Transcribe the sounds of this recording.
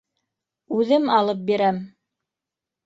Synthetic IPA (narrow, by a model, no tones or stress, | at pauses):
ʉðɘmɑlˠɤp̚biɾæm